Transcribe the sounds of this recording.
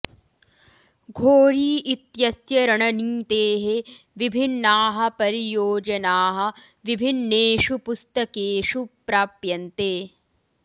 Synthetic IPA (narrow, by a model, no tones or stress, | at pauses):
ɡʱoːɾiːit̪jɐsjɐɾɐɳɐniːt̪eːɦeʋibʱinːaːɦɐ̆pɐɾijoːd͡ʒɐnaːɦɐ̆ | ʋibʱinːeːʂupust̪ɐkeːʃupɾaːpjɐnt̪eː